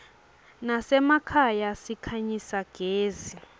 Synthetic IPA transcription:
nasɛmakʰajasikʰaɲisaɡ̥ʱeːzi

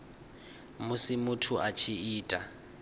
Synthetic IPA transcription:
mʊsɪmʊtʰʊʔat͡ʃʰiiːtʼa

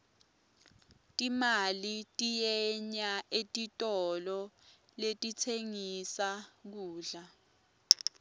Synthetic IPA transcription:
tʼimalitʼijɛɲaʔetʼitʼɔlɔ | letʼitʰeŋisak̬uːɮa

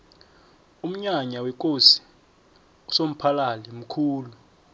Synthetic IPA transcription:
um̩ɲaɲawɛk̬ʼosi̥ | usom̩pʰalalɛm̩kʰuːlu

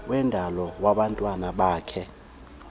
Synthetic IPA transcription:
wɛndʱalɔwaɓantʼwanaɓaːkʰɛ

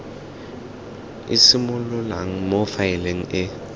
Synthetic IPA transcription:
ḭsimʊlʊla̰ŋ̩mofaɛleŋ̩ɪ

